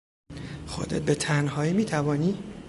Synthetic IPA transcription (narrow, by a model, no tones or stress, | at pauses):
xo̰d̪et̪̚bet̪ʰænɦɒːjimiːt̪ʰævɒːniː